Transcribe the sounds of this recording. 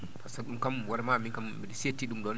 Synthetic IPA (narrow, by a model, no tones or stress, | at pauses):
fasaɗumkamwaɾmamikamː | idisietːiɗumɗɔn